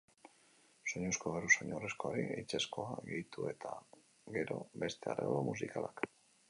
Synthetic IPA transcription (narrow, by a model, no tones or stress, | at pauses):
so̞ɲoskoβeɾusoɲoresko̞oɾiejt͡sesko̞aɡejit̪ue̞t̪ʰa | ɡe̞ɾo̞̰be̞st̪ea̰rḛβoɾomusikalak